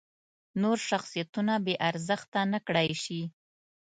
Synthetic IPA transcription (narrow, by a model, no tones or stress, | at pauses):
noɾʃaxsijat̪unabeʔaɾzəxt̪anəkɽajʃi